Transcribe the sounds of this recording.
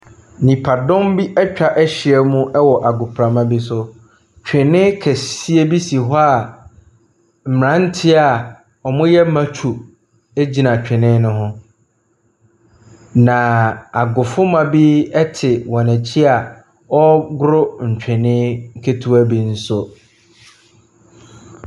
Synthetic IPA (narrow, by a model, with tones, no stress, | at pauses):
nĩ˨pʰa˨dɔ̃˦mbi˦ʔɛ˦t͡ɕᶣa˦ʔɛ˦ɕɪ˨ɛ˦mũ˦ʔɛ˦wɔ˨ʔa˨ɡʊ˨pʰɾa˨mã˦bi˦sʊ˦ | t͡ɕᶣɪ˨nɪ̃˦kʰɛ˨si˦e˦bi˦si˨ɦɔ˦a˨ | m̩˨m˨ã˦n̩˦tʰɪ˦a˨ | ɔ˨mʊ̃˦jɛ˦mã˦t͡ɕʰu˨ | e˦d͡ʑi˨nã˨t͡ɕᶣɪ̃˨nɪ̃˦nʊ̃˦ɦʊ̃˦ | nã˨a˨ɡʊ˨fʊ˦mã˨bi˦ɛ˦tʰɪ˨wɔ̃˨næ˨t͡ɕʰi˦a˨ | ɔ˦ɡʊ˦ɾʊ˦ɲ̩˨t͡ɕᶣɪ˨nɪ̃˦ŋ̩˦kʰe˦tʰu˦æ˦bi˨n̩˦sʊ˦